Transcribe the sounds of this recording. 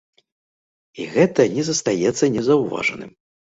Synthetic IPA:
iɣɛt̪ɐnʲɛzɐst̪ajɛt̪sːɐnʲɛzɐwva̰ʐɐ̰nɨ̰m

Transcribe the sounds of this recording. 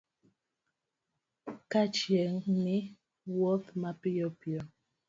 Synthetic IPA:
kat͡ʃjɛŋmi | wɔtmapijɔpjɔ

